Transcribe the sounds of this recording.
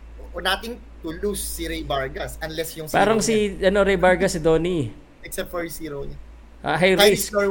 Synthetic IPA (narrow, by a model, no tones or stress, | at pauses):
oʔonat̪ɪŋ | t̪ʊlusːiɾɛjbaɹɡɐsʔɐnlɛsjʊŋspaːɾɐŋsiʔɐno̞ɾɛjbɐɹɡɐsɪd̪o̞ːni | ʔɛksɛfɛɹsiːɾown | ʔa̰ɦɐjɾasɔ